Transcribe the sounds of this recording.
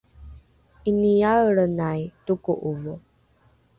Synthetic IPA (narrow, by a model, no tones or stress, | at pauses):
ʔiniaɭənajtukuʔuvu